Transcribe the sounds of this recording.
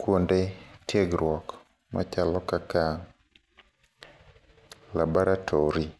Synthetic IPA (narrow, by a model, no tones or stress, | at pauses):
kwondetjeɡɾwɔk | ma̰t͡ʃalɔkaka | labɔɾatʰɔɾi